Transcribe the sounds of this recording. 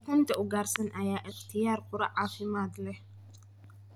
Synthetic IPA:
kʊnt̪ʰɐʔʊɡaːɾsɐnʔɐjaːʔɪqt̪ʰɪjaːɾkʰʼʊɾɐ̰ʕaːfɪmaːt̪lɛ

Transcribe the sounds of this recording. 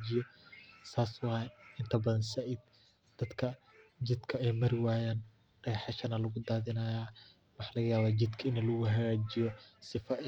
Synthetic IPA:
d͡ʒɪjɔsaːsʊɛɪnt̪ʰɐbɐðɐnsɐʔɪd̪̚ | d̪̥ɐd̪kʰɐ | d͡ʒɪd̪kʰɐɛjmɐɾɪwaːjaːn | ɖ̥ɛːħɛʃɐnɐlɐɣʊd̪aːðɪnɐjaː | wɑħɑːlɐɣɐjaːβaːd͡ʒɪd̪kʰɐɪnɐlʊɣʊɦɐɣaːd͡ʒɪjɔsɪfɐ

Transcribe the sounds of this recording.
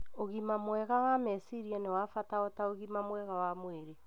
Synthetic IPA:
oɣimamwɛɣawamɛsiɾianɛwafataɔtaoɣimamwɛɣawamweɾe

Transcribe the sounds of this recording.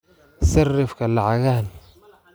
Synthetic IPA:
sɐrːɪfkʰɐlɑʕɑɣaːn

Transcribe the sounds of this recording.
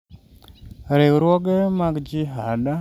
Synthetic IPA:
ɾewɾwɔɡɛmaɡd͡ʒiɦada

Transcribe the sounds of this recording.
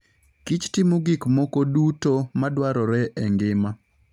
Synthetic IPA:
kit͡ʃtɪmuɡikmɔkodutomadwaɾɔɾɛʔɛŋɡɪma

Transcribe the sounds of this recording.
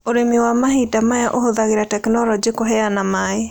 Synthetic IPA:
oɾemewamaɦidamajaʔohoðaɣeɾatɛknɔlɔd͡ʒikoɦɛanamae

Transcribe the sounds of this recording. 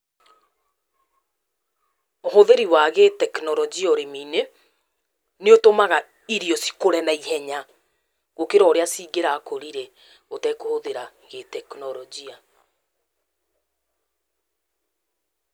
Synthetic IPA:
oɦoðeɾiwaɣetɛknɔɾɔd͡ʒiɔɾemiːne | neotomaɣa | iɾijɔsi̥koɾɛnaihɛɲa | ɣokeɾɔɾeasiɡeɾaːkoɾiɾe | otɛkohoðeɾaɣetɛknɔɾɔd͡ʒia

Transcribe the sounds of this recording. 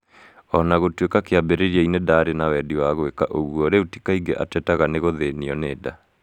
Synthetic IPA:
ɔnaɣotwekakeabeɾeɾiɛinedaːɾenawɛdiwaɣwekaʔoɣwɔɾeuti̥kaiŋɡeʔa̰tɛtaɣaneɣoðeniɔneːda

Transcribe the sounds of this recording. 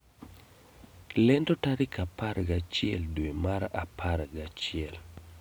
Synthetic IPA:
lɛndotaɾikapaɾɡat͡ʃɪɛ̰ldwemaɾapʰaɾɡat͡ʃɪɛl

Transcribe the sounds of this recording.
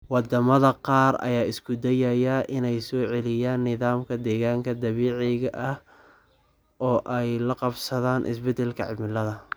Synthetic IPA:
wɑd̪ɐmɐðɐqɑːrɐ̰jaːʔɪskʰʊd̪ɐjɐjɐʔɪnɛjsɔːʕɛlɪjaːnːɪðaːmkʰɐd̪ɛːɣaːŋkʰɐd̪ɐβiːʕɛɣɐʔɐh | ʔɔːʔɛjlɐqɑbsɐðaːnʔɪ̰sbɛd̪ɛlkʰɐʕɪ̰mɪlɐðɐ

